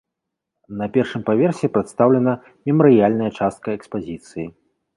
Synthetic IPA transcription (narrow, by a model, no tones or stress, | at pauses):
nɐpʲɛrʂɨmpavʲɛrsʲɛpɾɛt̪st̪awlʲɛnɐ | mʲɛmɐɾɨjalʲnɐjɐt͡ʂast̪̚kɐɛkspazʲit̪sɨji